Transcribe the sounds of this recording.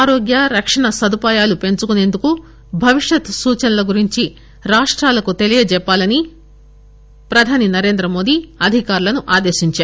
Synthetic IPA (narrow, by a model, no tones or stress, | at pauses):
aːɾoːɡjɐɾɐkʂɐɳɐsɐd̪upaːjaːlupe̞ɲt͡ʃukune̞ːnd̪uku | bʱɐʋiʂjɐt̪suːt͡ʃɐnɐlɐɡuɾiɲt͡ʃi | ɾaːʂʈɾaːlɐkut̪e̞lijɐd͡ʒɛpːaːlɐni | pɾɐd̪ʱaːninɐɾe̞ːnd̪ɾɐmo̞ːd̪iɐd̪ʱikaːɾulɐnuʔaːd̪eːʃiɲt͡ʃaːɾu